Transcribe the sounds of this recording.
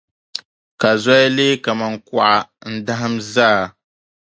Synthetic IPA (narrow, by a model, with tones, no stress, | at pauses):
ka˨zɔ˦ja˦leː˦ka˨ma˨ŋku˦ʔa˨n̩˦da˦ɦɨ˦mzaː˦˨